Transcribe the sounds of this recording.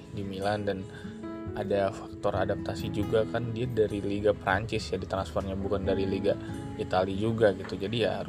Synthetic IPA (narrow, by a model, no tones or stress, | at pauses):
dimilandan | ʔadafḁk̚t̪ɔɾa̰dap̚t̪asid͡ʒuɡakandiadaɾiliɡapəɾa̰ɲt͡ʃɪsjadit̪ɾanspɔrɲabukandaɾiliɡa | it̪alid͡ʒuɡaɡit̪ud͡ʒadijaa̰ɾʊ